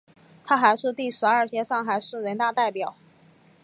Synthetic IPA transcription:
t̪ʰa˥xa˧˥ɪʂɻ̩˥˧t̪i˥˩ʂɻ̩˧˥ɐ˞˥˩t͡ɕʰjɛ˥ʂɑ˥˩ŋxa˧˥ɪʂɻ̩˥˩ɻə˧˥nt̪a˥˧t̪a˥˩ɪpjɑ˨˩˦ʊ

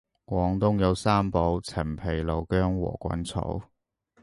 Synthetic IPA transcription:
kwʷɔː˨˧ŋt̪ʊ˥ŋjɐ˨˧wsaː˥mpo˨˧˥wt͡sʰɐ˨˩mpʰe˨˩jlo˨˩wkœː˥ŋwɔ̰ː˨˩kʷɐ̰˨˥nt͡sʰo̰˨˥w

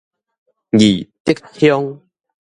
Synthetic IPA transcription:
ɡi˨˩t̪i˦k̚hjɔ˦ŋ

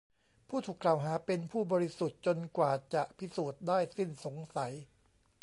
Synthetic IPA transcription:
pʰuː˥˩t̪ʰuː˨˩kla˨˩wɦaː˩˦pe˧npʰuː˥˩bɔː˧ɾi˦su˨˩t̪̚t͡ɕo˧nkwaː˨˩t͡ɕa˨˩ʔpʰi˦˥suː˨˩t̪̚daː˥˩jsi˥˩nso˩˦ŋsa˩˦j

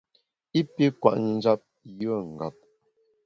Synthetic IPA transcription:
i˦pi˦kwa̰˨ʔn̩˦d͡ʒa˦p̚ | jə˦˨ŋ̩˨ɡa̰˨p̚

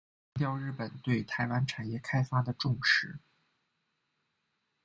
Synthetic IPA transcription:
ŋt̪jɑ˥˧ʊɻɻ̩˥˩pə˨˩nt̪we˥˩ɪt̪ʰa˧˥ɪwa˥nʈ͡ʂʰa˨˩njɛ˥˩kʰa˥ɪfa˥d̪ə˨ʈ͡ʂʊ˥˧ŋʂɻ̩˥˩

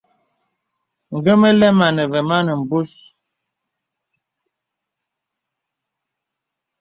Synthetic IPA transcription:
ŋ̩˨ɡə˦mə˦lɛ˦ma˨nə˨və˨ma˦nə˨m̩˨bu˦s

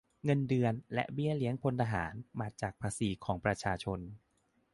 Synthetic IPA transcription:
ŋɤ˧ndɯ˧ənlɛ̰˦˥ʔbi˥˩əli˦əŋpʰo˧nt̪ʰaː˧ɦa̰ː˩˦nmaː˧t͡ɕaː˨˩k̚pʰaː˧siː˨˩˦kʰɔː˩˦ŋpɾa˧t͡ɕʰaː˧t͡ɕʰo˧n

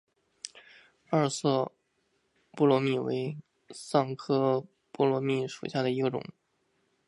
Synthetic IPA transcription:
a˞˥˩˧sɤ˥˧ | pu˥˩lwɔ˧˥mi˥˩wḛ˧˥ɪ | sɑ˥˩ŋkʰɤ˥ | pu˥˩lwɔ˧˥mi˥˩ʂṵ˨˩ɕja˥˩d̪ə˩i˧˥ɡə˧ʈ͡ʂʊ̰˨˩˦ŋ

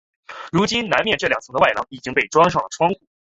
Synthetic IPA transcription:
ɻu˧˥t͡ɕi˥nna˧˥nmjɛ˥˧nʈ͡ʂɤ˥˩ljɑ˨˩ŋt͡sʰɤ˧˥ŋd̪wa˥˩ɪlɑ˧˥ŋi˨˩t͡ɕi˥ŋpe˥˩ɪʈ͡ʂwɑ˥ŋʂ̬ɑ˥˩ŋlə˩ʈ͡ʂʰwɑ˥ŋkʰu˥˩˦

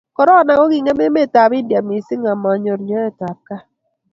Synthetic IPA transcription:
kɔ˨ɾɔ˦˨na˨ŋɔ˦ɡi˨ŋe˦me˦me˦˨ta˨bɪ˦dja˨mi˨si˦ŋa˨ma˨ɲo˨ɾɲɔ˦ɛ˦ta˨t̚ka˦

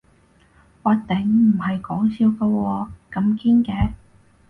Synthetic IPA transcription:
waː˨˧t̪ɛ˨˥ŋm̩˨˩hɐ˨jkɔː˨˥ŋsiː˧wkɐ˧wɔː˧kɐ˧mkiː˥nkɛː˧

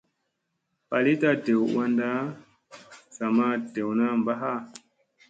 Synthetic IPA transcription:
pa˨li˦ta˦de˨wwa˦nda˦ | sa˨ma˦de˨wna˦m˨ba˦ɦa˦

